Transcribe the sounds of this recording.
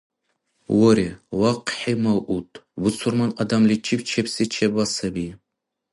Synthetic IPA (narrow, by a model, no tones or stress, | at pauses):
woɾewaqʰħimaʔutʼbʊt͡sʰʊrmanadamlit͡ʃʰipt͡ʃʰepʰsit͡ʃʰebasabi